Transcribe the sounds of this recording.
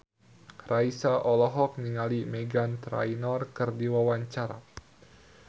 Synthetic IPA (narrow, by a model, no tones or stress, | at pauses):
raisaʔɔlɔɦɔk̚niŋalimeɡant̪ɾa̰inɔrkɨrdiwawaɲt͡ʃaɾa̰